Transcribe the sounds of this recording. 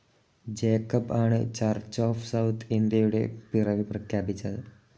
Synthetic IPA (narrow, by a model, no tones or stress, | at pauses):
d͡ʒeːkɐpaːɳɨ̰t͡ʃaɾt͡ʃaːfʰsɐwt̪ʰind̪ieːjuɽḛpiɾɐʋiprɐkʰjaːpit͡ʃːɐd̪ɨ